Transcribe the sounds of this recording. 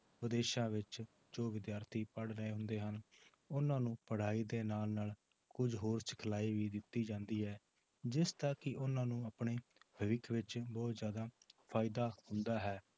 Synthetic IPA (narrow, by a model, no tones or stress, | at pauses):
pəd̪eːʃãːʋɪt͡ʃ | d͡ʒoːʋɪd̪jaːɾt̪ʰiːpəɽɾəeːɦʊ̃nd̪eːɦən | ʊnãːnũːpəɽ̤aːiːd̪eːnaːlnaːl | kʊd͡ʒɦoːɾsɪ̥kʰəlaːiːʋiːd̪ɪt̪ːiːd͡ʒãːnd̪iːɦɛː | d͡ʒɪst̪aːkɪʔʊnãːnũːəpɳeːbʱəʋɪkʰʋɪt͡ʃbɔːt̪zjaːd̪aːpʰaːɪd̪aːhʊnd̪aːɦɛː